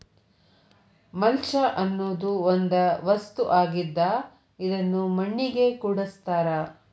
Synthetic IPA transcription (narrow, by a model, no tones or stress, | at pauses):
mɐlt͡ʃɐʔɐnːoːd̪uond̪ɐʋɐst̪uʔaːɡid̪ːɐ | id̪ɐnːumɐɳːiɡe̞kuːɽɐst̪aːɾɐ